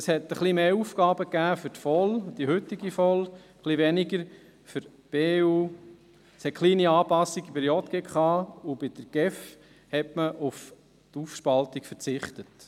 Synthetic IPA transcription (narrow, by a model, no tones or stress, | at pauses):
əshɛt̪əχlimeːufɡ̥ɑːbəkːæːfʏɾtfɔld̥ihʉtiɡifɔlχliʋɛnɪɡəɾ | fəɾ | b̥eːuː | shɛt̚kχliːniɑːpɑsːiɡibəɾjɔt̪ɡ̥ekχɑːʊb̥ɪd̥əɾɡ̥ɛf | hɛtməʔʊf | tufʃpɑltikfəɾt͡sɪχt̪ət